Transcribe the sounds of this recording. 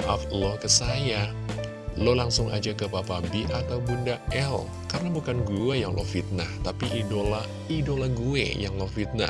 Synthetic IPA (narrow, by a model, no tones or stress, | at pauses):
ʔa̰flɔkəsaja | lolaŋsʊŋa̰d͡ʒakəpapabiʔat̪aubundaɛl | karənabukanɡuajaŋlo̰fit̪̚naht̪apiʔidola | idolaɡuḛjaŋlɔfit̪̚na̰